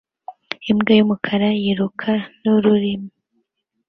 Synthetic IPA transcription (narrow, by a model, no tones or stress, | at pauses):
imɡajumukʰaɾajiɾukʰanuɾuɾimu